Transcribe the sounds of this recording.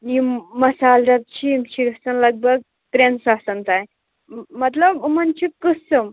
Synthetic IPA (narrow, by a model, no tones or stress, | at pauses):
niməsalɾat̪̚t͡ɕit͡ɕiɡəsənləɡ̚bʱəɡ̚ | t̪ɾensasənt̪aj | mət̪ləbmənt͡ɕikɨsɨm